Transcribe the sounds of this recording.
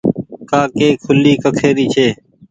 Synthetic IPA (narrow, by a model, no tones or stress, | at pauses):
kaːkeːkʰʊliːkəkʰeːɾiːt͡ʃʰeː